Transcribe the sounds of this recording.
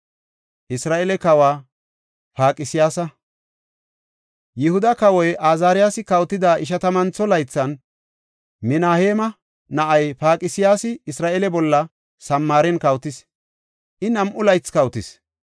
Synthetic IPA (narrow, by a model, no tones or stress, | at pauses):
ʔɪsɾaːʔɛlɛkɐwaː | paːkʼɪsɪjaːsɐ | jɪhʊd̪ɐkɐwɔjʔaːzaːɾɪjaːsɪkɐwt̪ːɪd̪aːʔɪʃ̬ɐt̪ɐmɐnt͡sːɔlɐjt͡sːɐn | mɪnaːheːmɐ | nɐʔɐjpaːkʼɪsɪjaːsɪɪsɾaːʔɛlɛbɔlːɐ | sɐmːaːɾɛnkɐwt̪ɪs | ʔɪnɐmʔʊlɐjt͡skɐwt̪ɪs